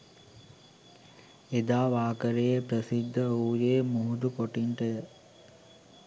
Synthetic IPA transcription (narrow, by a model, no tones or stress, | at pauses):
ed̪aːʋaːkəɾejepɾəsid̪ʱːəuːjeːmuɦud̪ukoʈiɳʈəjə